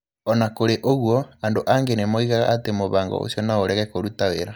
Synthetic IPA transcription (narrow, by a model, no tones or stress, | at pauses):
ɔnakoɾeʔoɣwɔandoʔaŋɡenemoiɣaɣa̰ːtemoβaːŋɡɔ̰o̰sjɔnaoɾɛɣɛkoɾutaweɾa